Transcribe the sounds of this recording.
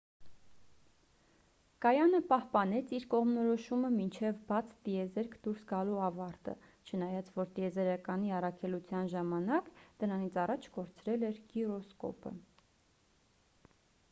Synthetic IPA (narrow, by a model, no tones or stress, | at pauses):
kɑjɑnəpɑhpɑnɛt͡sʰiɾkɔʁmnɔɾɔʃuməmint͡ʃʰɛvbɑt͡sʰt̪iɛzɛɾkʰd̪uɾsɡɑluɑvɑɾt̪ə̰ | t͡ʃʰənɑjɑt͡sʰvɔɾt̪iɛzɛɾɑkɑniɑrɑkʰɛlut͡sʰjɑnʒɑmɑnɑkd̪̥əɾɑnit͡sʰɑrɑt͡ʃʰɡɔɾt͡sʰɾɛlɛɾkirɔskɔ̰pə̰